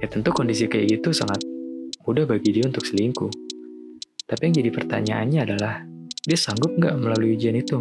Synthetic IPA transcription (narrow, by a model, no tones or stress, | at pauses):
jat̪ənt̪ukondis̬ikajaɡit̪usaŋat̪̚mudahbaɡidiaunt̪ʊk̚səliŋku | t̪apijaŋd͡ʒadipərt̪a̰ɲaʔanɲaːdalahdiasaŋɡʊp̚ŋɡaʔməlalujud͡ʒianit̪u